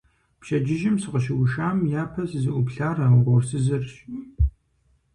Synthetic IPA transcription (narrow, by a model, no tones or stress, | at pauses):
pʃɐd͡ʒɪʒɪmsɨqəʃ̬ɪwʊʃaːmjaːpʰɐsɨzɨʔʷʊpɬaːrɐʁʷɔrsɨzɨrɕ